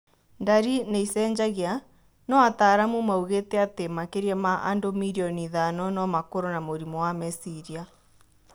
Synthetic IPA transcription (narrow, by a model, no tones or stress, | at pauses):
ndaɾineisɛɲd͡ʒaɣea | nɔataːɾamumauɣetɛatemakeɾiɛmaʔa̰ndomiɾiɔniðanɔnɔmakoɾonamoɾimɔwamɛsiɾia